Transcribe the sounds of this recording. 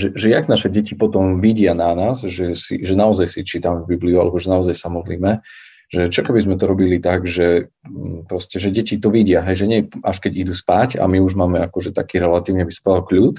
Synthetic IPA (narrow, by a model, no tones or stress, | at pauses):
ʒɛʒɛjaɡnaʃɛɟɛcipɔt̪ɔmʋiɟɪananaːzʒɛsḭʒɛnaɔzajsit͡ʃiːt̪amɛvbibliua̰lɛbɔʒɛnaɔzajsamɔd̪lḭːmɛ | ʒɛt͡ʃɔkɛbizmɛt̪ɔɾɔbilit̪aɡʒɛ | pɾɔscɛʒɛɟɛcit̪ɔʋiɟɪaɦɛjʒɛɲɛaʃkɛɟid̪uspaca̰miuʒmaːmɛakɔʒɛt̪akiːɾɛlat̪iːʊɲɛbispad̪alkʎuːt̪